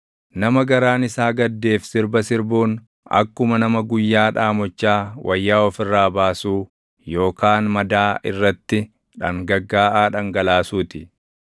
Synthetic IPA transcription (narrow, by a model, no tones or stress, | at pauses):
nɐmɐɡɐɾaːnɪsaːɡɐd̪ːe̞ːfsɪɾbɐsɪɾbuːn | ɐ̰kːʊmɐnɐmɐɡʊjːaːᶑaːmɔt͡ʃːaːwʔɐjːaːɔfɪrːaːbaːsuː | jo̞ːkaːnmɐd̪aːʔɪ̰rːɐt̪ːɪ | ᶑɐŋɡɐɡːaːʔaːᶑɐŋɡɐlaːsuːt̪ɪ